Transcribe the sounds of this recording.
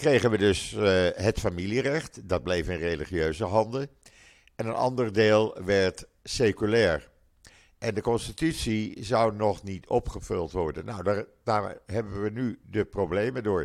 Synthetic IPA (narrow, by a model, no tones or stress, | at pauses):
krejχənʋədɵsɦətfamilirɛχtdɑd̚blejfɪnrejliχiøɥzəɦɑndə | ɛnənɑ̰ndərdeːlˠʋɛɹt | sekylɛːɹ | ʔɛndəkɔnstitytsizʌwnɔχnitʰɔpχəvɵlˠtʋɔɹdənːawdad̥aːɹɦɛbəʋənydəprowblejmədʊːɹ